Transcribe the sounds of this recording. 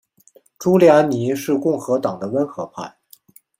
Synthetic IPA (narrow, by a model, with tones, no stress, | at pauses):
ʈ͡ʂu˥ljɑ˧˥ni˧˥ʂɻ̩˥˧kʊ˥˩ŋxɤ˧˥t̪ɑ˨˩ŋd̪ə˦wə˥nxɤ˧˥pʰa̰˥˩ɪ